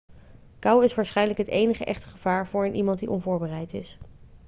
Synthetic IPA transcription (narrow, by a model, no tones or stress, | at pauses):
kɑwɪsʋaːɹsχɛjnələkɦətejnəχəʔɛχtəχəvaːɹvʊːɹənʔimɑnt̚diʔɔnvʊːɹbərɛjtɪs